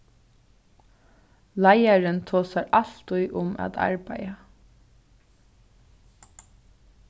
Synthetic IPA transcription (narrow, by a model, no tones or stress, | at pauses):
lɑɪaɹənt̪ʰoːsaɹɑɬt̪ʊʏʔʊmæ̰ːd̪ɑ̰ɹbæɪə